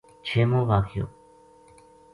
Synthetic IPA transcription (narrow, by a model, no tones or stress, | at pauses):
t͡ʃʰeːmõːʋaːkʰɪjo̰ː